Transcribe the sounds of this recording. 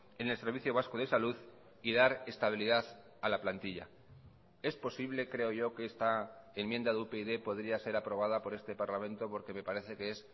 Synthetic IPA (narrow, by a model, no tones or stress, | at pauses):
ene̞lse̞ɾβiθjoβaskoð̞e̞saluð | iðaɾe̞st̪aβ̞iliðaθ | alaplant̪iʎa̰ | e̞spo̞siβ̞le̞kɾe̞o̞ʝo̞keest̪aemjẽ̞nd̪aðeupeiðe̞po̞ð̞ɾiase̞ɾapɾo̞β̞að̞apo̞ɾe̞st̪e̞paɾlamẽ̞nt̪o̞po̞ɾke̞me̞paɾe̞θe̞kee̞s